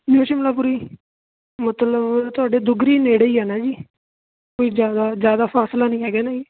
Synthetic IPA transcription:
mjuːt͡ʃiːmət̪ləbpuɾiː | mət̪ləbt̪ʊaːɖeːd̪ʊɡɾiːneːɽəiːɦɛːnaːd͡ʒiː | koːiːzjaːd̪aːzjaːd̪aːpʰaːslaːnəĩːɦɛːɡeːnaiː

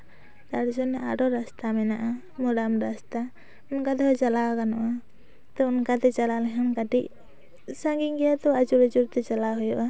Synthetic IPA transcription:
t̪aɾsɔnɛa̰ɖɔɾast̪amɛnaʔa | mɔɖamɾast̪a | ʊnkad̪ɛɦɔt͡ʃalakanɔʔa | t̪ɔunkat̪ɛt͡ʃalalɛɦamkaʈiʔ | sãŋɡiŋɡɛjat̪ɔad͡ʒuɾat͡ʃuɾt̪ɛt͡ʃalaɦujɔʔa

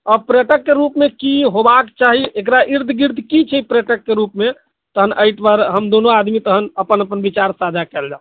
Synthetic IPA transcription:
ɔpɾeʈəkːeɾupmekiɦobakt͡ʃaɦiʔek̬ɾaʔiɾd̪ʱɡiɾd̪ʱkit͡ʃʰəpɾeʈəkːeɾupme | t̪əɦənʔəjʈbaɾɦəmd̪onoad̪mit̪əɦənəpənəpənbit͡ʃaɾsad͡ʒʱakɛld͡ʒa̰

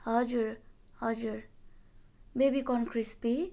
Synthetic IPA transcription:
ɦʌd͡ʒuɾ | hʌd͡ʒuɾ | bebikɔnkʰɾispi

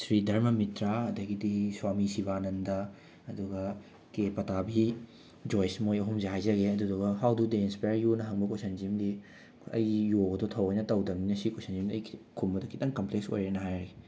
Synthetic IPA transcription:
sɾidʱɐɾmɐmitɾaɐdɐɡidiswamisibanɐndɐ | ɐduɡɐ | kepɐtabi | d͡ʒojsmojɐɦumzeɦajzɐɡeɐdudoɡɐɦawdudeinspajɾjunɐɦɐŋbɐkosɐnd͡ʒimdi | ɐ̰jiːoɡɐdotʰɐwɐjnɐtɐwdɐmninɐsikosɐnd͡ʒimdiɐjkʰkʰunbɐdɐkʰitɐŋkɐmplekso̰jɾenɐɦajɾɐɡe

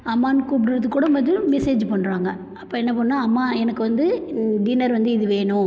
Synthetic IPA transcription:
ɐmːaːnɯkuːp̬ɽɪɾɐðɯkːuːɽɐmɐðɯmɛseːd͡ʒpɐɳːɾaːŋɡɐ | ɐpːoːɛnːɐp̬oːnnaːɐmːaːɛnɐkːɯʋɐnd̪ɯd̪iːnɐɾʋɐnd̪ɯɪðɯʋeːɳʊ̃

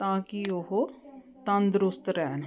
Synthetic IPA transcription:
t̪ãːkioɦo | t̪ɐ̃nd̪ɾʊst̪ɾɛːn

